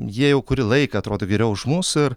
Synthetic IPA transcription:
jiɛjɛʊkʊɾʲɪlˠɐɪkɐɐt̪ɾoːd̪oːɡʲɛɾʲɛʊʊʃmʊsɪr

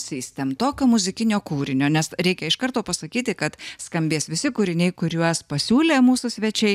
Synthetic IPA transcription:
sʲiːsʲt̪ʲɛmt̪oːkʲoːmʊzʲɪkʲɪnʲoːkuːɾʲɪnʲoːnʲɛsɾʲɛɪkʲɛɪʃkɐrt̪oːpɐsɐkʲiːt̪ʲɪkɐt̪skɐmʲbʲeːsʋʲɪsʲɪkuːɾʲɪnʲɛɪkʊɾʲuɔspɐsʲuːlʲeːmuːsʊsʲʋʲɛt͡ʃʲɛɪ

